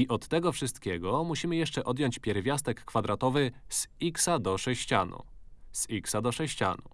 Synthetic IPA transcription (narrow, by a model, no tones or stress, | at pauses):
iʔɔt̪ːɛɡɔfʂɘst̪kʲɛɡɔmuɕimɘjɛʂt͡ʂɛʔɔd̪jɔɲt͡ɕpʲjɛɾvʲjast̪ɛkːfad̪ɾat̪ɔvɘsiksad̪ɔʂɛɕt͡ɕa̰nṵsiksad̪ɔʂɛɕt͡ɕa̰nṵ